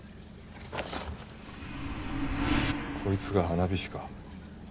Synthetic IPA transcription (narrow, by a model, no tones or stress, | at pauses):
kʰo̞it͡sɨɡahanabʲiɕi̥ka